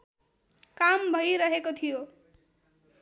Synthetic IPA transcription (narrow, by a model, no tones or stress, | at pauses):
kambʱʌjɾʌɦekot̪ʰijo